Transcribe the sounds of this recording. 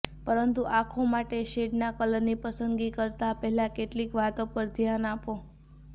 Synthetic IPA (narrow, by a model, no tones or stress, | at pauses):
pəɾənt̪uʔakʰomaʈeʃeɖnakələnipəsənd̪ɡikəɾt̪apɛɦɛlãkeʈlikʋat̪opəɾd̪ʱjanapo